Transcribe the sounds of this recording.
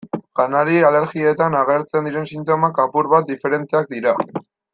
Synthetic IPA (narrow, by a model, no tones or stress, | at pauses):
ɡ̥anaɾiale̞ɾɣiet̪anaɣe̞ɾt͡se̞nd̪iɾe̞nsint̪o̞makapuɾβat̪̚d̪ife̞ɾe̞nt̪e̞ak̚d̪iɾa